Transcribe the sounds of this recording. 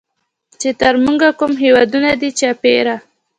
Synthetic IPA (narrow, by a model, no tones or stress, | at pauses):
t͡ʃet̪aɾmuŋɡakumɦewɑd̪unad̪it͡ʃapeɾa